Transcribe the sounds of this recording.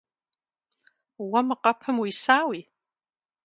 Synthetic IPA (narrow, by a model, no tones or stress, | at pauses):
wamɨqʼapʰɨmwisaːwi